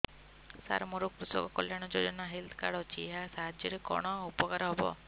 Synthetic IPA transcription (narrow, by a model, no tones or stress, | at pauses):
sa̰ɾmɔɾukkɾusɔ̰kɔkɔljaɽ̃ɔd͡ʒod͡ʒɔnaɦild̪kaɽɔt͡ʃʰiɦasaɦad͡ʒjɔɾekɔ̰ɽ̃ɔupɔkaɾɔɦebɔ̰